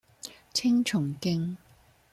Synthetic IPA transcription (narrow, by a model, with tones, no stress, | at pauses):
t͡sʰɪ˥ŋt͡ʃʰʊ˨˩ŋkɪ˥ŋ